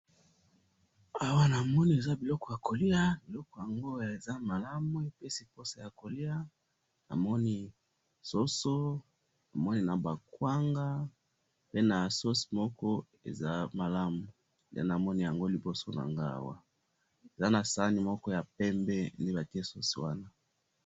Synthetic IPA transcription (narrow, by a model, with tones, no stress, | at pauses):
a˦wa˦na˨mɔ˦ni˦e˨za˦bi˨lɔ˦kɔ˨ja˨ko˨li˦a˦bi˨lɔ˦kɔ˨ja˨ŋɡo˦˨e˨za˦ma˨la˦mu˦e˨pe˦si˨po˦se˦ja˨ko˨li˦a˦ | na̰˨mɔ˦ni˦ | so˦so˦ | nna˨mɔ˦ni˦na˨ba˨kwa˦ŋɡa˦ | pe˦na˨so˦si̥˨mɔ˦kɔ˦ | ḛ˨za˦ma˨la˦mu˨ | a̰˦na˨mɔ˦ni˦ja˨ŋɡo˦li˨bo˦so˦na̰˨ŋɡa˦a̰˦wa̰˦ | e˨za˦na˨sa˦ni˨mɔ˦kɔ˦ja˨pɛ˦mbɛ˦nde˦ba˨ti˦e˦so˦si˨wa˦na˦